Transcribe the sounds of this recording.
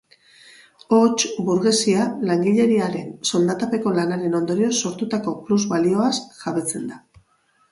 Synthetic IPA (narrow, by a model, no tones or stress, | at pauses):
o̞t͡ʃβuɾɣe̞sialaŋɡiʎe̞ɾiaɾe̞nso̞ld̪at̪ape̞ko̞lanaɾe̞no̞nd̪o̞ɾio̞so̞ɾt̪ut̪ako̞pluzβalio̞asʝaβe̞t͡se̞nd̪a